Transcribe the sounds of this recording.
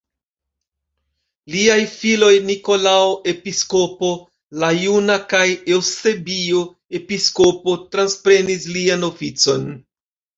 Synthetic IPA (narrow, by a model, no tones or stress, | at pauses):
liajfilo̞jniko̞laoʔe̞pisko̞po̞ | lajunakaje̞wse̞bio | e̞piskopo̞tɾanspɾe̞nisliano̞fit͡so̞n